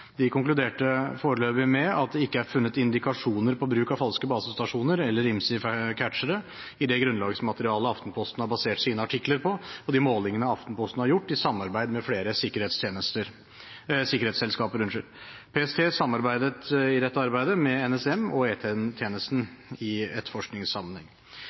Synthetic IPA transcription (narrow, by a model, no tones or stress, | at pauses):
d̪ɪkʰʊŋklʉd̪eːʈəfoːɾəløːbɪmɛɑt̪̚d̪ɛɪkːəæɾfʉnːət̪ɪnd̪ɪkɑʂuːnəɾpʰɔbɾʉːkɑfɑlskəbɑːsəst̪ɑʂuːnəɾɛlːəɾɪmsɪfkʰæʈʂəɾə | ɪd̪ɛɡɾʉnlɑːɡəsmɑt̪əɾɪɑːləɔɑft̪n̩pʰɔst̪nəhɑɾbɑseːʈsiːnəɑʈʰɪkləɾpʰɔɔd̪ɪmoːlɪŋənəɑft̪n̩pʰɔst̪nəhɑɾjʊʈːɪsɑmːɑɾbæɪd̪mɛfleːɾəsɪkːəɾeːt̪st̪ʰenəst̪əɾ | sɪkəɾeːt̪sɛlskɑːpəɾʉnʂəɾpʰeːɛst̪ʰeːsɑmːɑɾbæɪd̪ət̪ɪd̪ɛt̪ːɑɾbæɪd̪əmɛɛnɛsɛmɔeːt̪ʰeːɛnt̪ʰjeːnəst̪n̩ɪɛt̪fɔʂknɪŋsɑmːənhɛŋ